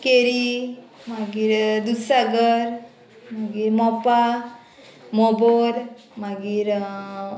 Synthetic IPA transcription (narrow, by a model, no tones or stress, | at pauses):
keɾimaɡiɾd̪usaɡəɾ | maɡiɾmɔpa | mɔboɾ | maɡiɾ